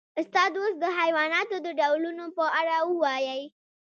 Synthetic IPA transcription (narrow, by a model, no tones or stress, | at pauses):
ʊst̪ɑd̪osd̪əɦajwɑnɑt̪od̪əɖawlunopəʔaɽawəwɑjəj